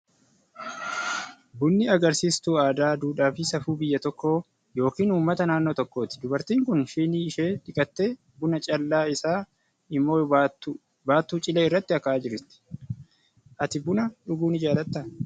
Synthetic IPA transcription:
bʊnːɪɐɡɐɾsiːst̪uːaːd̪aːd̪uːᶑaːfɪsɐfuːbɪjːɐt̪ɔkːo̞ː | jo̞ːkiːnuːmːɐt̪ɐnaːnːoːt̪ɔkːo̞ːt̪ɪ̥d̪ʊbɐɾt̪iːŋkʊnʃiːniːɪʃeːᶑɪkʼɐt̪ːe̞ː | bʊnɐt͡ʃʼɐlːaːɪsaː | ɪmːo̞ː | baːt̪ːuːt͡ʃʼɪleːɪrːɐt̪ːɪɐkːɐaːd͡ʒɪɾɪt̪ːɪ̥ | ʔɐt̪ɪbʊnɐᶑʊɡuːnɪd͡ʒaːlɐt̪ːɐ

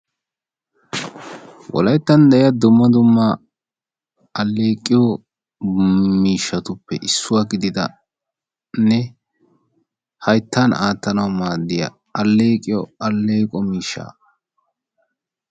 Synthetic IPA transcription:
wʔɔ̰lɐjt̪ːɐnd̪ɛɪjɐd̪ʊmːɐd̪ʊmːɐ | ɐlːeːkʼːɪjɔ | miːʃːɐt̪ʊpːɛʔɪsːʊwaɡɪd̪ɪd̪ɐ̰ | nɛ | hɐjt̪ːanaːt̪ːɐnɐwmaːd̪ːɪjɐ̰ | ɐlːeːkʼɪjɔɐlːeːkʼɔmiːʃːa̰ː

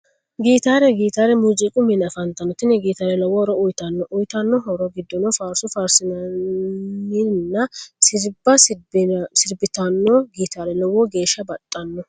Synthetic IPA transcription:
ɡiːt̪aːɾɛɡiːt̪aːɾɛmʊd͡ʒʼikʼʊmɪnɐfɐnt̪ːɐnːɔt̪ɪnːɛɡiːt̪aːɾɛlɔwɔɾɔʊjt̪ɐnːɔʔʊjt̪ɐnːɔɦɔɾɔɡɪd̪ːɔnɔfaːɾsʊfaːɾsɪnɐ | inːɐsɪɾbɐ | sɪɾbɪt̪ɐnːɔɡiːt̪aːɾɛlɔwɔɡe̞ːʃːɐbɐt̪ʼːɐnːɔ

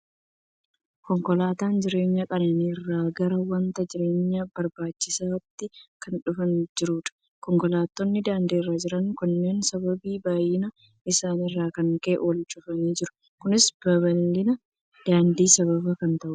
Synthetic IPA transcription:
kɔŋkɔlaːt̪aːnd͡ʒɪɾe̞ːɲːɐkʼɐnɐnirːaːɡɐɾɐwɐnt̪ɐd͡ʒɪɾe̞ːɲːɐbɐɾbaːt͡ʃːɪsaːt̪ːɪkɐnᶑʊfɐnd͡ʒɪɾuːᶑ̪ɐ̥ | kɔŋkɔlaːt̪ːɔnːɪd̪aːnd̪eːrːaːd͡ʒɪɾɐnkʊnːe̞ːnsɐbɐbiːbaːjɪnɐ | ɪsaːnɪrːaːkɐŋkɐʔʔɔlt͡ʃʼʊfɐniːd͡ʒɪɾʊ̥ | kʊnɪsb̥ɐβɐlːɪnɐ | d̪̥aːnd̪iːsɐβɐbɐkɐnt̪ɐʔʊ

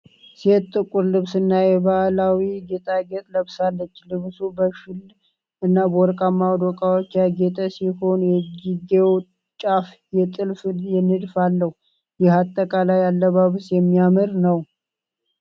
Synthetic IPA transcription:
set̪ːʼɨkʼːuɾlɨβsɨnːajɛβahlawiɡet̪ʼaɡɛt̪ʼləβsalːət͡ʃːlɨβsubəʃɪl | ɨnːabɔɾkʼamːawd̪okʼawot͡ʃːjaɡɛt̪ʼəsiho̞njɛd͡ʒiɡew | t͡ʃʼaf | jɛt̪ʼɨlfjɛnːɨd̪falːəhu | jɪhat̪ʼːəkʼalajalːəβaβɨsjɛmːijamɨɾnəw

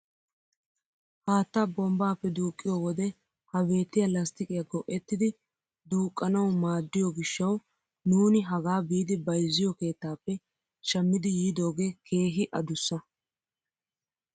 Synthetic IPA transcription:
haːt̪ːɐbɔmbaːpːɛd̪uːkʼːɪjowɔd̪ɛ | hɐbe̞ːt̪ːɪjɐlɐst̪ɪkʼɪjɐɡɔʔɛt̪ːɪd̪ɪ | d̪uːkʼːɐnɐwmaːd̪ːɪjɔɡɪʃːɐw | nuːnɪɦɐɡaːbiːd̪ɪbɐjzːɪjɔke̞ːt̪ːaːpːɛ | ʃɐmːɪd̪ɪjiːd̪o̞ːɡe̞ːkʰe̞ːɦɪʔɐd̪ʊsːɐ

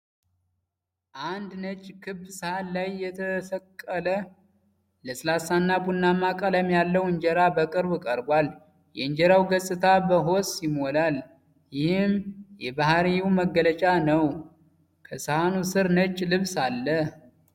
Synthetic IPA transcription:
ʔand̪nət͡ʃʼːkʰɨbːsɨhallajːɛt̪ʰəfəkʼːələ | ləsɨlasanːabunːamakʼələmjalːəwɨɲd͡ʒɛɾabəkʼɨɾbɨkʼəɾbwal | jɛɨɲd͡ʒɛɾawɡəsʼɨt̪ʰabəɦo̞sjɪmolal | jɪhɨmjɛbaɦɾiuməɡːələt͡ʃʼanəw | kʰəsɨhanusɨɾnət͡ʃʼːlɨβsalːəh

